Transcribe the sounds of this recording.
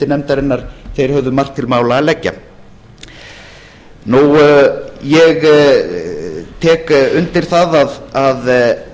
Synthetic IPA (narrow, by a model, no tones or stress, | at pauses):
t̪ɪnɛmt̪aɾɪnːaɾ̥θejɾ̥hœvðʏmar̥k̚t̪ʰːɪlmaːwlaːlɛcːa̰ | nuw | jɛɣ | t̪ʰɛːkʏnt̪ɪɾ̥θaðaðað